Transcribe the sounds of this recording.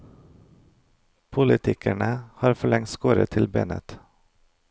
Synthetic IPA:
pʰʊlɪt̪ʰɪkʰæɳəhɑːɾfɔɭɛŋt̪skoːɾə̰t̪ʰɪlbḛːnə̰t̪

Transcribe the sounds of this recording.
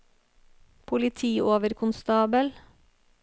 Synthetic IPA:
pʰʊlɪt̪ʰiːʔoːʋəɾkʰʊnst̪ɑːbəl

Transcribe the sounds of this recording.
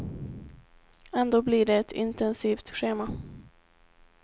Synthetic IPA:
ɛnd̪oːblɪɖɛɛt̪ʰɪ̰nt̪ɛnsiːft̪ɧeːma

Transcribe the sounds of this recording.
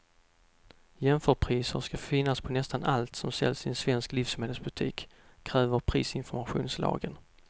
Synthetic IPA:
jɛmfœːʈpʰɾiːsəɾʂkafɪnːaspʰɔnɛst̪anʔalt̪sɔmsɛ̰lːsɪnsvɛnskliːfsmeːd̪əlsbɵt̪ʰiːkʰːɾɛːvəɾpʰɾiːsɪnfɔɾmaɧṵːnslɑ̰ːɡən

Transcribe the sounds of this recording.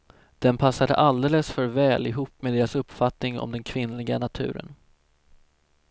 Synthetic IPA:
d̪̥ɛnpʰasːad̪ə̰ʔald̪eːləsfœɾvɛːlɪɦuːpːmeɛd̪eːɾasɵpːfat̪nɪŋɔ̰md̪ɛnkʰvɪnːlɪɡanat̪ʰʉ̟̰ːɾə̰n

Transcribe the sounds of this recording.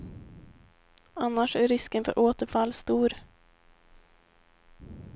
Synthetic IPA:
anːaʂæɾɪskənfœ̰ɾʔoːt̪əɾfalːst̪uːɾ

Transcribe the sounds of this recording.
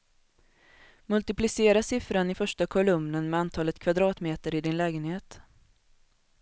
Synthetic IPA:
mɵlt̪ɪplɪseːɾasɪfɾanɪfœʂʈakʰɔlɵmnənmɛant̪ʰɑːlət̪kʰvad̪ɾɑːt̪meːt̪əɾɪd̪ɪnlɛːɡənheːt̪

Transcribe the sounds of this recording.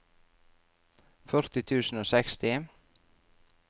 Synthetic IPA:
fœɾt̪ɪt̪ʰʉːsn̩oːsɛkst̪ɪ

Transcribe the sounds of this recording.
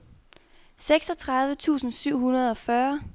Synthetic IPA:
seɡ̥sɒ̽t͡sʰʁɑ̈ðˠʋət͡sʰṵːsn̩syʊ̰ɦunɐð̞ˠɒ̽fɶɐ

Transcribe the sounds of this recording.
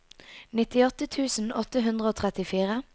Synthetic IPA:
nɪt̪ɪɔt̪ət̪ʰʉːsn̩ɔt̪əɦʉnd̪ʁəoːt̪ʰʁɛt̪ɪfiːʁə

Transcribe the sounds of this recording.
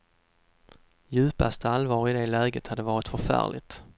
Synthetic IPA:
jʉ̟ːpa̰st̪əalvɑːɾɪd̪ɛlɛːɡət̪had̪ːəvɑːɾɪt̪fœɾfæ̰ːɭɪ̰t̪

